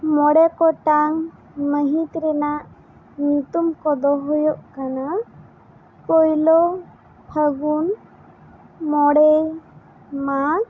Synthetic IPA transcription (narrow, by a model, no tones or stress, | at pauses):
mɔɽɛkɔʈaŋ | məɦĩt̪ɾɛnaʔ | nut̪umkɔd̪ɔɦɔjɔʔkana | pɔjlɔ | pʰəɡun | mɔɽɛj | ma